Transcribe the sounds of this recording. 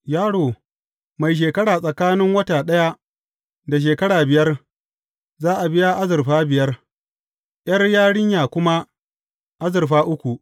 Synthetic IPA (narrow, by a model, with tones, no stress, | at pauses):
jaː˦ɽoː˨ | ma˨jʃ̬eː˨kɐ˦ɽaː˨sʼɐ˨kaː˦nɪ˦ŋwɐ˦taː˨ɗɐ˦ja˦ | da˨ʃ̬eː˨kɐ˦ɽaː˨bɪ˨jɐ˦r | zaː˦ʔa˨bɪ˦ja˦ʔa˦zɪ˨rɸaː˦bɪ˨jɐ˦r | ʔj̰ɐ˦rjaː˦ɽɪ˦ɲjaː˨kʷʊ˦ma˦ | ʔa˦zɪ˨rɸaː˦ʔʊ˦kʷu˨ʔ